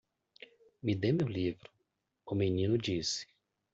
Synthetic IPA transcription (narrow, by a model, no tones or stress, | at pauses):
mid̪emewlivɾʊ | ʊmenĩnʊd͡ʒisɪ̥